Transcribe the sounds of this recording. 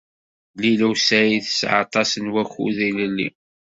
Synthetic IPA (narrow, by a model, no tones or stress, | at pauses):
lilæwsæjiθə̥sʕɑ̰t̪ˤɑsənwæçṵðiləlːḭ